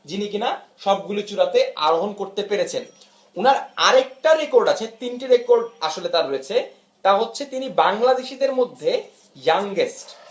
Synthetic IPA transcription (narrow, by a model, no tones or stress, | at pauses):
d͡ʑinikinaʃɔb̚ɡulit͡ɕuɾat̪eʔa̰ɾoɦonkoɾt̪epeɾet͡ɕʰen | unaɾa̰ɾek̚ʈaɾekoɾɖat͡ɕʰet̪inʈiɾekoɾɖaʃolet̪aɾojet͡ɕʰe | t̪aɦotːɕʰet̪inibaŋlad̪eʃid̪eɾmod̪ʱːe | jaŋɡesʈ